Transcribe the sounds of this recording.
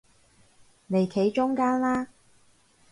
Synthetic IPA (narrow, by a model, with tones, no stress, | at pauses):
ne˨˩jkʰe˨˥jt͡ʃʊ˥ŋkaː˥nlaː˥